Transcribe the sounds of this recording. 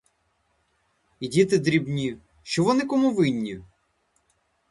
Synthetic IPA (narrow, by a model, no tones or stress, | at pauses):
idʲit̪ɪd̪ɾʲibnʲi | ʃt͡ʃɔʋɔnɪkɔmuʋɪnʲːi